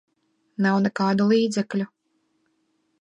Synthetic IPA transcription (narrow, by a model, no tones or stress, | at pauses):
nawnɛkaːd̪ulˠiːd̪zɛklʲu